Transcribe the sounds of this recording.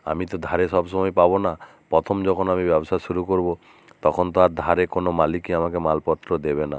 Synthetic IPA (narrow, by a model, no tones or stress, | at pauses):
a̰mit̪ɔd̪ʱaɾesɔbsɔmɔjpabona | pɾɔt̪ʰɔmd͡ʒɔkʰɔnamibjɔbosasuɾukoɾbo | t̪ɔkʰɔnt̪aɾd̪ʱaɾekonomalikiamakemalpɔt̪ːɾɔd̪ebena̰